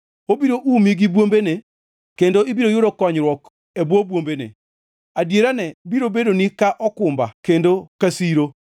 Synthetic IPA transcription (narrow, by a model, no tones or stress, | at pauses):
obiɾoʔumiɡibwombene | kendoibiɾojʊɾokɔɲɾwɔk | ebobwombenḛ | adjeɾanɛbiɾobedonikaʔɔkʊmbakendokasiɾo